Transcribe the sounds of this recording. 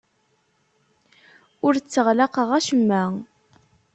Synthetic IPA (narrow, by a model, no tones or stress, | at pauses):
ʊɾt͡sːəʁlaqəʁæʃəmːæ